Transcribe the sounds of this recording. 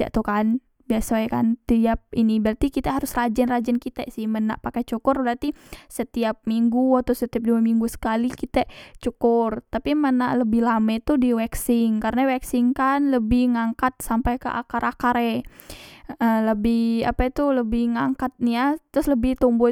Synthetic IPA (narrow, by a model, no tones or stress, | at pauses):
a̰ʔt̪ukan | biasaɛkant̪iap̚inibart̪ikit̪aɦaɾʊsrad͡ʒɛnrad͡ʒɛnkit̪ɛsɪhməna̰ʔpakɛt͡ʃukʊrbəɾat̪isət̪iap̚miŋɡuat̪ʊsət̪iap̚duamiŋɡusə̥kalikit̪ɛt͡ʃukʊrt̪apimənaʔləbɪhlamɛt̪udiwɛksɪŋkaɾənawɛksɪŋkanləbɪhŋaŋkat̪̚sampajkə̰ʔa̰kaɾʔakaɾɛ | ələbɪha̰pat̪uləbɪhŋaŋkat̪̚nijat̪ɾʊsləbɪht̪umbʊ